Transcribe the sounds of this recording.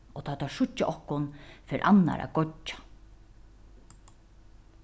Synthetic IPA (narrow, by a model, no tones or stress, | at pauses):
ɔt̪ʰaːt̪ʰaʂʊt͡ʃːɪʔɔhkʊnfeːɾʔa̰nːa̰ɾa̰ɡɔḁ